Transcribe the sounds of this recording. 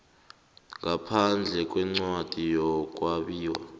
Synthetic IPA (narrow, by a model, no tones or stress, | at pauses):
ŋɡapʰand͡ɮʱɛkʼwɛŋ͡ǀwad̥ʱijɔk̬ʼwaɓiːwa̰